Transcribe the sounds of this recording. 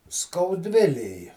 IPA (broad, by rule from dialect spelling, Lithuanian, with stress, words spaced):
skɐʊˈdʲʋʲɪlʲeːj